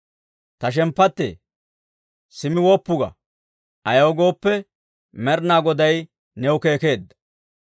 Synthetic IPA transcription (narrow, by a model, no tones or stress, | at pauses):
t̪ɐʃ̬ɛmpːɐt̪ːḛː | sɪmɪwɔpːʊɡɐ̰ | ʔɐjɐwɡo̞ːpːɛ | mɛɾnaːɡɔd̪ɐj | nɛwʊke̞ːke̞ːd̪ːɐ̥